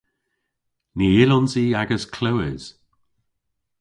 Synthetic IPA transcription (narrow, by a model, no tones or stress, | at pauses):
niɪlɔnziaɡəskʰlowɪz̥